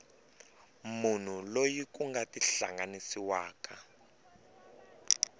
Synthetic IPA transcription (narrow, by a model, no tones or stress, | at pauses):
mun̤ulojikuŋɡatiɬa̰ŋɡanisiwaːka